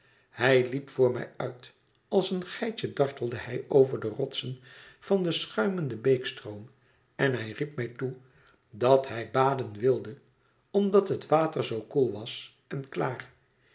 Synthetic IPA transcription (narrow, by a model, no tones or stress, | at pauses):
hɛjlipfʊːɹmɛ̰jœɥt | ɑlˠsənχɛjt͡ʃədɑɹtəl̩ˠdəhɛjowvəɹdərɔtsənv̥ɑndəsχœɥməndəbejkstrowm | ɛnɦɛjrip̚mɛjtu | dɑtɦɛjbaːdənʋɪlˠdə | ɔmdɑtɦətʋaːtəɹzowkulˠʋɑs | ɛnklaːr